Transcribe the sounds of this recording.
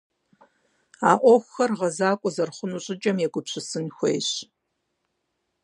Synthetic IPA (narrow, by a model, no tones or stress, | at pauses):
aːʔʷɔxʷxɐrʁɐzaːkʷʼɔzɐrχʷʊnuɕʼɪt͡ʃʼɐmjɛɡʷʊpɕʰɪsɨnxʷḛjɕ